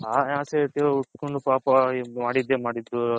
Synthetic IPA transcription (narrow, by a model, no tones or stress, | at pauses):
aːaːseʈ̪ːeuʈːkoɳɖupaːpɐmaːɽid̪ːeːmaːɽid̪ːu